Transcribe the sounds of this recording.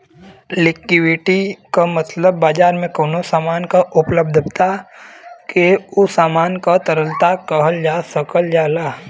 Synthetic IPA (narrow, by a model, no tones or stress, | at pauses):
lɪkːɪʋiʈikamət̪ləbːaːd͡ʒaːɾmẽkoːnosaːmaːnkaʔʊpləb̚d̪ʱbt̪a | keʊsaːmaːnkat̪əɾəlt̪akəɦəld͡ʒaːsəkəld͡ʒaːlaː